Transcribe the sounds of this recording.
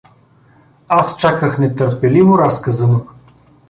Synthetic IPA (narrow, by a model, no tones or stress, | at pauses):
ast͡ʃakəxnɛt̪əɾpɛlivʊɾaskəzəno